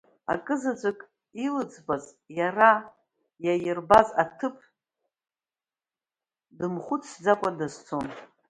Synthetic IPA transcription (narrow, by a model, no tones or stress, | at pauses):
a̰kʼɨzad͡ʒʷakʼ | ilɨd͡zbaz | jara | jajɪrbazatʰɨpʰ | dɨmχʷʊt͡sʰd͡zakʷʼadazt͡sʰon